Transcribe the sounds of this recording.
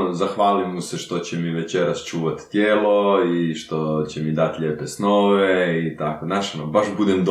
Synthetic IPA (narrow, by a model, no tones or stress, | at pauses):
zaxʋaːlimuseʃt̪o̞t͡ɕemiʋet͡ʃeɾast͡ʃuːʋat̪t̪jeːlˠoiʃt̪o̞t͡ɕemid̪at̪ʎeːpesnoːʋeit̪akonaʃonobaʃbud̪emd̪